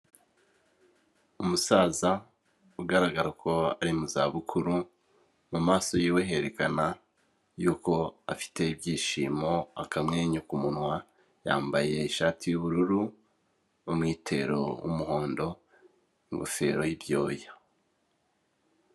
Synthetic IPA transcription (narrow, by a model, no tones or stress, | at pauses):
umusaːza | uɡaɾaɡaɾakʰo̞a̰ɾimuzaːβukʰuɾu | mumaːso̞jiːwe̞ɦe̞ɾe̞kana | juːko̞a̰fi̥te̞ibɟiːʃiːmo̞akamŋe̞ːɲukumunwa | ja̰ːmbaje̞iʃaːtʰijuβuɾuɾu | umŋiːtʰe̞̰ɾo̞̰wṵmuho̞ːndo̞ | iŋɡofe̞̰ːɾo̞jibjo̰ːja